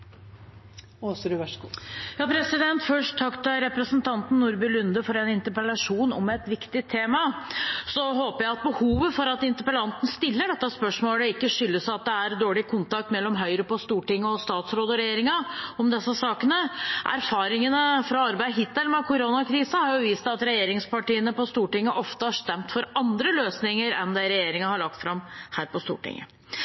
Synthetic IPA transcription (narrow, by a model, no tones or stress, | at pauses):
oːsɾʉʋæʂkujɑːpʰɾɛsɪd̪ɛnt̪fœʂʈt̪ʰːɑkt̪əɾɛpɾəsənt̪ʰɑnt̪n̩ːʊɾbʏlʉnd̪əfɔɾɛnɪnt̪əɾpəlɑʂuːnɔ̰mɛt̪ʋɪkt̪ɪt̪ʰːeːmɑsɔɦoːpəjæɪɑt̪̚bəhuːʋəfɔɾɑt̪ɪnt̪əɾpəlɑnt̪n̩st̪ɪlːəɖɛt̪ːɑspœʂmoːləɪkːəʂʏlːəsɑt̪̚d̪ɛæɾd̪oːɭɪkʰʊnt̪ɑk̚t̪mɛlːɔmɦœʏɾəpɔst̪uːʈɪŋːɔst̪ɑːt̪sɾoːd̪əɾɛjeːɾɪŋɑɔmd̪ɛsːəsɑːkənəʔæ̰ɾfɑːɾɪŋənəfɾɑɑɾbæɪɦɪt̪ːəlmɛkʰʊɾoːnɑkʰɾiːsəhɑɾjʊʋiːst̪ɑt̪ɾɛjeːɾɪŋspɑʈiːənəpɔst̪uːʈɪŋːəʔɔft̪əhɑʂt̪ɛmt̪fɔɾɑnd̪ɾəløːsnɪŋəɾɛ̰nd̪ɛɾɛjeːɾɪŋɑhɑɭɑk̚t̪fɾɑmhæːɾpɔst̪ṵːʈɪ̰ŋːə̰